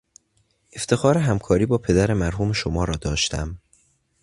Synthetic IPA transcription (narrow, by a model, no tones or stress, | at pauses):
ʔe̞ft̪ʰe̞xɒːɾeɦæmkʰɒːɾiːbɒːpʰe̞d̪æɾe̞mæɾɦuːme̞ʃomɒːɾɒːd̪ɒːʃt̪ʰæ̰m